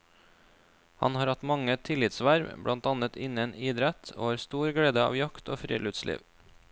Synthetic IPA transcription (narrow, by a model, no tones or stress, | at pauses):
hɑ̰nhɑːɾhɑt̪mɑŋət̪ʰɪlɪt̪sʋæɾʋbɽʔɑnt̪ɑnət̪ʰɪnəniːd̪ɾɛt̪ʰo̰ːhɑːɾst̪uːɾɡɽeːd̪əɑ̰ːʋjɑkt̪oːfɾḭːlʉt̪slʔḭːʋ